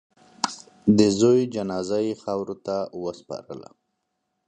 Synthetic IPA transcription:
d̪əzojd͡ʒanɑzajxawɾot̪awəspɑ̰ɾə̰la̰

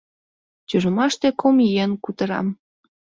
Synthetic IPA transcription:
t͡ɕuʒə̆mɑʃt̪ekʰomijenkut̪ə̆ɾɑ̰m

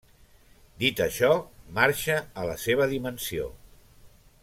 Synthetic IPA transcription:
d̪it̪əʃɔmaɾʃəːlə̰seβ̞əðimənsio̰

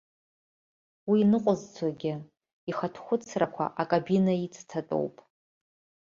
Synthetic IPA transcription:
wiːnɨqʷʼʊzt͡sʷʰaɡʲɪ | iχatʰχʷʊt͡sʰrakʷʰa̰ʔakʼabinait͡sʰʼtʰatʼo̰wpʼ

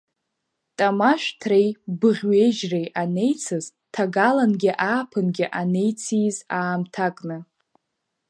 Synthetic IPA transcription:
tʼamaʃʷᶣtʰrejbɨʁʲɥeʒrejʔane̞jt͡sʰɨz | tʰaɡalanɡʲɪʔaːpʰɨnɡʲɪʔane̞jt͡sʰizaːmtʰakʼnɨ

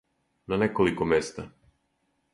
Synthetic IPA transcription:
nanɛkɔlˠikɔmɛst̪a

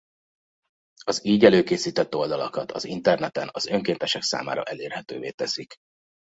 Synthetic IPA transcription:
ɒziːɟɛløːkeːsiːt̪ɛt̪ːo̞ld̪ɒlɒkɒt̪ʰɒ̰zint̪ɛrnɛt̪ɛnɒzø̞ŋkeːnt̪ɛʃɛksa̰ːma̰ːɾɒ̰ʔɛleːrhɛt̪ø̰ːveːt̪ɛsik

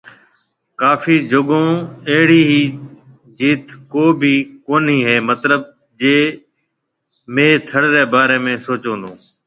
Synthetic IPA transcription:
kaːfiːd͡ʒoɠõːeɦɪɽiːɦiː | d͡ʒiːt̪koːbiːkoːniːɦeːmət̪ləb̚ | d͡ʒeː | meːt̪ʰəɽɾeːbaːɾeːmẽːsoːt͡ʃõːnd̪õː

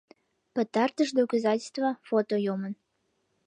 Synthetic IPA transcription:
pət̪ɑrt̪əʃd̪okozɑtʲɪst̪vɑfot̪ojumən

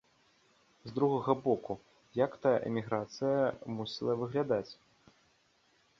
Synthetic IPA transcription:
zd̪ɾuɣɐɣɐbɔku | jakt̪ajʔɛ̰mʲiɣɾat̪sɨjɐmusʲilˠɐvɨɣlʲad̪at͡sʲ

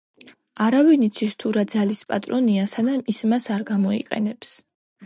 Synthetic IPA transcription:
aɾavinit̪sʰist̪ʰuɾad̪zalispʼa̰t̪ʼɾɔniasanamismasaɾɡamɔḭqʼɛ̰nɛps

